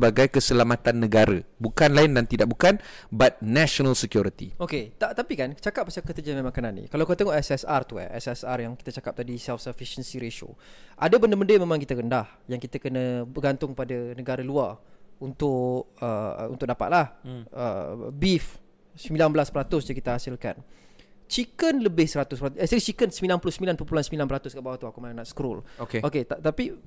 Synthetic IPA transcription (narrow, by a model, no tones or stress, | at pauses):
səbaɡajkəsəlamat̪anːəɡaɾə̰bukanlaɪndant̪idaʔ̚bukanbat̪̚nɛʃonəlsəkjuɾit̪ioket̪aʔt̪apikant͡ʃakap̚bəsakət̪əd͡ʒamẽmaŋkananːḭkalawkot̪əŋɔʔɛsɛsart̪ua̰ʔɛsɛsarjaŋki̥t̪at͡ʃakap̚t̪adisɛlfsəfiʃənsiɾeʃo̰ʔadabəndəməndəjamẽmãŋkit̪əɾəndah | jaŋkit̪əkənəbərɡant̪ʊŋkəpadanəɡaɾaluarunt̪ʊkəṵnt̪ʊk̚dapa̰t̪̚lahə̰bif | səmilanbəlaspəɾat̪ʊsd͡ʒakit̪əɦasɪlka̰n | t͡ʃikənləbɪhsəɾat̪ʊspəɾat̪ʔɛsəɾit͡ʃikənsəmilanpulʊsəmilanpəpulansəmilanpəɾat̪ʊskaʔbawat̪uakumalanaʔsə̥kɾɔlokeoket̪at̪api